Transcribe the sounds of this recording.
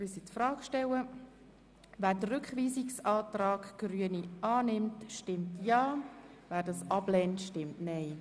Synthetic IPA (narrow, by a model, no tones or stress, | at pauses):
ɪsitfrɑːkʃtɛwə | væːɾdərʏkχʋiːsiksɑːtrɑːɡɡ̥ryəniʔɑːnɪmtʃtɪmtjɑːvæːɾdɑsɑb̥lɛntʃtɪmtnɛɪ